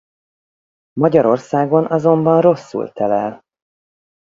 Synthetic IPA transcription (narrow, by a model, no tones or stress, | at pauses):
mɒɟɒɾo̞rsaːɡo̞nɒzo̞mbɒnro̞sːṵlt̪ɛlɛl